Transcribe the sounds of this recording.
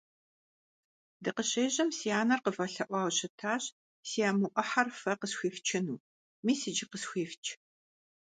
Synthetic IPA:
dɨqəɕeːʑɐmsijaːnɐrqəfɐɬɐʔʷɑːwɕɪtʰaːɕ | sijaːmʊʔʷɐħarfɐqəsxʷiːft͡ʃʰɪnuː | miːsɨd͡ʒɪqəsxʷiːft͡ʃʰʼ

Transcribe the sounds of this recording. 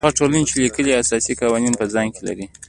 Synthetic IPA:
aʈolanet͡ʃelikəliasɑsikɑwɑninpəzɑŋkela̰ɾi

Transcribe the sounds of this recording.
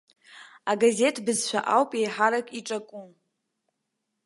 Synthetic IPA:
aɡaze̞tʰbɨzʃʷᶣa̰ʔawpʼe̞jħaɾakʼiʈ͡ʂʼakʼum

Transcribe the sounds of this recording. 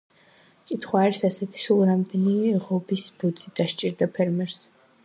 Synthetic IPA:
kʼit̪ʰχwaːɾisasɛt̪ʰi̥sulˠɾamd̪ɛniɛʁɔbisbɔd̪zʼid̪̥aʃt͡ʃʼiɾd̪apʰɛɾmɛɾs

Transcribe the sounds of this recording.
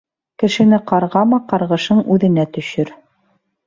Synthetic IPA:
kɘ̆ʃɘ̆nɘqɑɾʁɑmɑqɑɾʁɤ̆ʃɤɴʉðɘ̆næt̪ɵ̆ʃɵɾ

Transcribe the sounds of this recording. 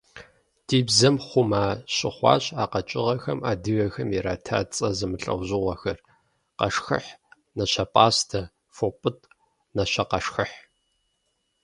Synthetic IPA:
d̥iːbzɐmχʷʊmaːɕʼɪχʷɑ̰ːɕaːqɐt͡ʃʼɪʁɐxɐmaːdɨɣɐxɐmiɛɾaːtʰa̰ːt͡sʼɐzɨmɨɬʼɐ̰wʑɪʁʷɐxɐr | qɐ̰ʂxɨ̰ħ | nɐɕɐpʼaːstʰɐ | fopʼɨtʼ | nɐɕɐqɐʂxɨħ

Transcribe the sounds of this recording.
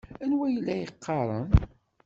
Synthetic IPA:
ænwæjlːæjəqːɑɾˤən

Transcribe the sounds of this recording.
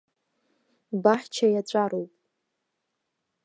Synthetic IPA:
baħt͡ʃʰajat͡ɕʷʼaɾowpʼ

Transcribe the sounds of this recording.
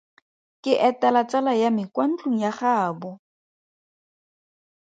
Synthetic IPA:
kʼɪʔɛtalat͡salajamɪkwan̩t͡ɬʼuŋ̩jaχaːbʊ

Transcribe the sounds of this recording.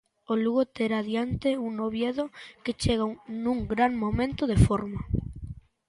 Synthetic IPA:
oluɣot̪eɾaðjant̪euŋnoβjeðoket͡ʃeɣanũŋɡɾaŋmomẽnt̪ʊðefoɾmɐ

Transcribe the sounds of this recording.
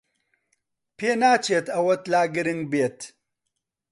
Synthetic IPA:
peːnaːt͡ɕet̪ʰɐwɐt̪laːɡiɾiŋbeːt̪

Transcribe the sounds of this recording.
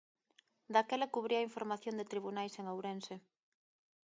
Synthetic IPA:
d̪akelakuβ̞ɾiɐiɱfoɾmaθjõnd̪et̪ɾiβunajseŋawɾense

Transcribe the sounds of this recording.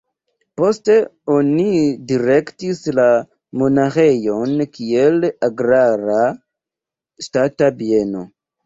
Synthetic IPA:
po̞ste̞o̞nidiɾe̞ktisla | mo̞naxejo̞nkielaɡɾaɾa | statabie̞no̞̰

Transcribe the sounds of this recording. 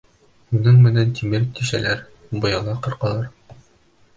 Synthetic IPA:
unɤɴmɘ̆nænt̪ʰimɘɾt̪iʃæ̰læɾ | bɤ̆jɑlˠɑqɤ̆ɾqɑlˠɑɾ

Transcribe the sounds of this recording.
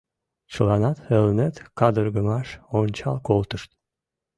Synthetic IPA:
t͡ʃʰɨlˠɑnɑt̪elnet̪kɑd̪əɾɡəmɑʃont͡ʃɑlˠkolˠt̪ɨʃt̪

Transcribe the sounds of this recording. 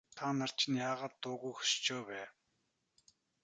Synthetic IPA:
t̪ʰanar̥t͡ɕʰĭnjaːʁaːt̪ːʊːɣujxɵ̥st͡ɕoːpæː

